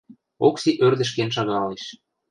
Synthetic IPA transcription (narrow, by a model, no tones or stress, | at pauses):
oksiʔørd̪ə̆ʃ̬kenʃ̬ɑɣɑleʃ